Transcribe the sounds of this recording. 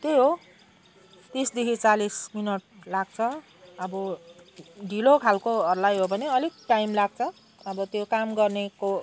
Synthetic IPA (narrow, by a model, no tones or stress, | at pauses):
t̪eɦo | t̪isd̪ikit͡salisminʌʈ̚laɡ̚t͡sʰʌ | ʌbʌ | ɖʱilokʰalkoʌrlajɦobʱʌneʌlik̚ʈajmlaɡ̚t͡sʰʌ | ʌbʌt̪jokamɡʌrneko